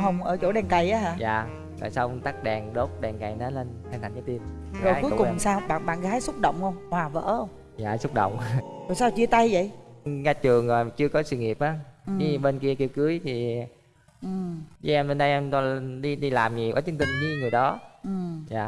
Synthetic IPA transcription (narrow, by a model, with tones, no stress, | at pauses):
ɦə˧˩wŋ͡mʔəː˧˩t͡ɕo̰˧˥˩ɗɛ˨˩ŋka˨˩jʔaː˨˦ɦaː˧˩jaː˨˩ | ɣa̰ː˨˩jsa˧wŋ͡mt̪aː˦˥k̚ɗɛː˨˩ŋɗo˦˥t̚ɗɛː˨˩ŋka˨˩jnɔː˨˦le˧nt̪ʰa˨˩ŋt̪ʰa˨˩ŋkaː˨˦t̪i˧ən | zo˨˩˨ku˦˧kʊ˨˧˩ŋ͡msaː˧wɓa̰ː˧˨nɓa̰ː˧˨nɣaː˨˦jsʊ˦˥t̚ɗə̰˧˨wŋ͡mhə˧wŋ͡mhwaː˨˩və̰ː˧˥hə˧wŋ͡m | ja̰ː˨˩su˦˥k͡p̚ɗo̰˧˨wŋ͡mt̪o˨˩saː˧wt͡ɕi˧ət̪a˧jvə̰˧˨jŋa˧t͡ɕɨ˨˩əŋzo˨˩jt͡ɕɨ˧əkɔ˨˦swi˧˨ŋi˨˩əp̚ʔaː˨˦˨ɲi˨˦ɓe˧nki˧əki˧wkɨ˨˦əjt̪ʰi˨˩ | ʔɨ˨˩t͡ɕi˧˦ɛ˧mɓe˧nɗə˧jʔɛ˧mtɔ˧ɗi˧ɗi˧laː˨˩mɲi˨˩wa̰ː˧˦˩t͡ɕɨ˨˦ŋt̪i˧ŋzɨ˧˦ŋɨ˨˩əjɗɔ˨˦ʔɨ˨˩za̰ː˨